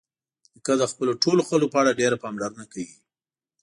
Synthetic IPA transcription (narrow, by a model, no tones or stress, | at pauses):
əkad̪əxpəloʈoloxəlopəaɽaɖeɾapɑmlaɾənakawi